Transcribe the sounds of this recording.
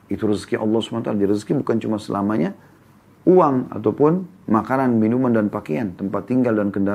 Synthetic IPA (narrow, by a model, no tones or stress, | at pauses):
it̪uɾəskiʔɑ̰lːɑhsu̥manat̪aladiɾəskibukant͡ʃumasə̰lamaɲa | uaŋa̰t̪aupʊnmakananminumandanpakeant̪əmpat̪ːiŋɡaldankənda